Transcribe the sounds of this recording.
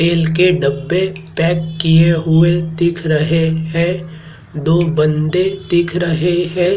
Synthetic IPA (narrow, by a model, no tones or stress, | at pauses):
t̪eːlkeɖɐbːepɛːkːijeɦʊed̪ɪkʰɾɐɦeɦɛ̃ː | d̪oːbə̃nd̪ed̪ɪkʰɾɐɦeɦɛ̃ː